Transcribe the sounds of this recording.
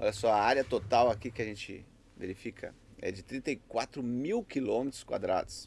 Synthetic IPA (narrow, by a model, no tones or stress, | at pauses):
ɔ̰ʎɐsɔɐaɾiɐt̪ot̪awakikɪɐʒẽt͡ʃɪ̰ | vḛɾifikʰɐ̰ | ɛ̰d͡ʒɪt̪ɾĩnt̪ɐikwat̪ɾʊmiwkilõmet̪ɾʊ̥skwa̰d̪ɾa̰d̪ʊs